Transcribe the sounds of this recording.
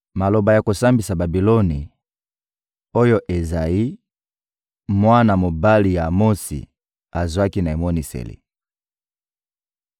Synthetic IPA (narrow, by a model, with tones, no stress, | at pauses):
ma˨lo˨ba˨ja˨ko˨sa˦mbi˨sa˨ba˨bi˨lo˦ni˨ | o˦jo˦ʔe˨za˨ji˦ | mwa˦na˨mo˨ba˦li˨ja˨mo˦sḭ˨ | a˨zwa˦ki˦na˨e˨mo˦ni˨sḛ˨lḭ˨